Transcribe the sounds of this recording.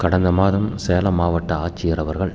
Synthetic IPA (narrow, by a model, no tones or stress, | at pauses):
kɐɽɐnd̪ɐmaːðɐmseːlɐmaːʋɐʈːɐaːt͡ʃːɪjɐrɐʋɐɾɣɐɭ